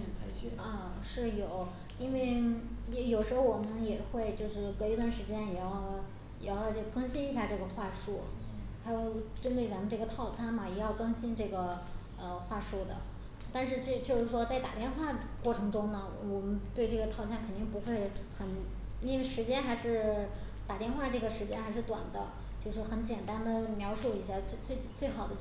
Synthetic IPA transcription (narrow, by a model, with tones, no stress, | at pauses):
a˧˥˩ə˥˧˩ | ʂɻ̩˥˩jo˨˩˦ʊ | i˥nwe˥˩ɪjɛ˧˥jo˨˩ʊʂɻ̩˧˥xo˧ʊwɔ˨˩mə˦njɛ˨˩xwe˥˧ɪt͡ɕjo˥˧ʊʂɻ̩˥˩ke˧˥ɪ˧˥t̪wa˥˩nʂɻ̩˧˥t͡ɕjɛ˥njɛ˨˩jɑ˥˩ʊ | jɛ˨˩jɑ˥˧ʊ˧t͡ɕɤ˥˩ə˩kʰɤ˥ŋɕi˥ni˧˥ɕja˥˧ʈ͡ʂɤ˥˩ɡə˩xwa˥˧ʂu˥˩ | xa˧˥ɪjo˧ʊ˩ʊʈ͡ʂə˥nt̪we˥˩ɪt͡sa˧˥mə˧nʈ͡ʂɤ˥˩ɡə˩t̪ʰɑ˥˩ʊt͡sʰa˥nmɐ˨˩jɛ˨˩jɑ˥˩ʊkɤ˥ŋɕi˥nʈ͡ʂɤ˥˩ɡə˩ | ə˧xwa˥˧ʂu˥˩d̪ə̰˩ | t̪a˥˧nʂɻ̩˥˧t͡ɕt͡ɕjo˥˧ʊʂɻ̩˥˩ʂwɔ˥t͡sa˥˩ɪt̪a̰˨˩t̪jɛ˥˧nxwa˥˩ | kwɔ˥˩ʈ͡ʂʰɤ˧˥ŋʈ͡ʂʊ˥ŋnə˨wɔ˨˩mə˦nt̪we˥˧ɪʈ͡ʂɤ˥˩ɡə˩t̪ʰɑ˥˩ʊt͡sʰa˥nkʰə˨˩nt̪i˥˩ŋpu˧˥xwe˥˩ɪxə˧˩n | i˥nwe˥˧ɪʂɻ̩˧˥t͡ɕjɛ˥nxa˧˥ɪʂɻ̩˥˩ | t̪a˨˩t̪jɛ˥˧nxwa˥˧ʈ͡ʂɤ˥˩ɡə˩ʂɻ̩˧˥t͡ɕjɛ˥nxa˧˥ʂɻ̩˥˩t̪wa̰˨˩nd̪ə̰˦ | t͡ɕjo˥˧ʊʂɻ̩˥˩xə˧˥nt͡ɕjɛ˨˩nt̪a˥nd̪ə˨mjɑ˧˥ʊʂu˥˩i˧˥˩ɕja˥˩t͡se˥˧t͡swe˥˩ɪ˩t͡swe˥˩ɪxɑ˨˩ʊd̪ə˦